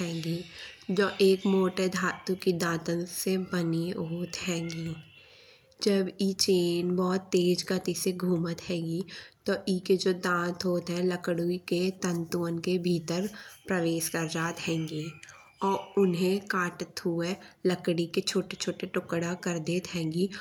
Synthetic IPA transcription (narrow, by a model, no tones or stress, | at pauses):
ɦɛ̃ːŋɡiːd͡ʒoːʔeːkmoːʈed̪ʱaːt̪ukid̪ãːt̪ənsebəniɦoːt̪ɦɛ̃ːɡiː | d͡ʒəbiːt͡ʃeːnbɔːt̪ːeːd͡ʒɡət̪iseɡʱuːmət̪ɦɛ̃ːɡit̪oʔiːked͡ʒoːd̪ãːt̪ɦoːt̪ɦɛ̃ləkɽuiket̪ə̃nt̪uːənkebʱiːt̪əɾpɾəʋeːʃkɐɾd͡ʒaːt̪ɦɛ̃ːŋɡiː | ɔːɾʊnɦẽkaːʈət̪ɦʊeləkɽiket͡ʃʰoːʈet͡ʃʰoːʈeʈʊkɽakəɾd̪eːt̪ɦɛ̃ːŋɡiː